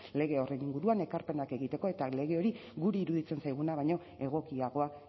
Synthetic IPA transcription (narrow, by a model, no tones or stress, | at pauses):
le̞ɣe̞o̞rejniŋɡuɾuane̞kaɾpe̞nake̞ɣit̪e̞ko̞e̞t̪ale̞ɣe̞o̞ɾiɣuɾeiɾuðit͡se̞nsajɣ̞unaβajɲo̞ | e̞ɣ̞o̞kiaɣo̞a